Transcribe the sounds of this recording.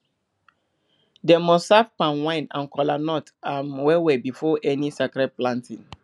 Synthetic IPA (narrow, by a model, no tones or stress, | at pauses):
dɛmɔsafpãnwãɪ̃nã̰nkɔlanɔtanwɛwɛbifɔʔɛnisakɹɛd̚plãntʰḭ̃ŋ